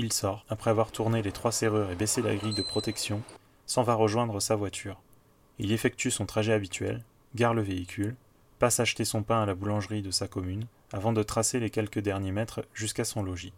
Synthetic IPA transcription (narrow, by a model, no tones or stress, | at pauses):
ilsɔʁapχɛavwaʁt̪ʰuʁnelet̪χwaseʁyʁebesela̰ɡʁijd̪əpχɔt̪ɛksjɔ̃ | sɑ̃vaʁəʒwɛ̃d̪ʁəsavwat̪ʰyːʁ | ilefɛk̚t̪ysɔ̃t̪χaʒɛabit̪ɥɛ̰l | ɡaʁləveikʲʰyl | pasaʃt̪esɔ̃pɛ̃alabulɑ̃ʒʁid̪əsakɔmyn | avɑ̃d̪ət̪χaselekʲɛlkəd̪ɛʁnjemɛt̪χʒyskasɔ̃lɔʒi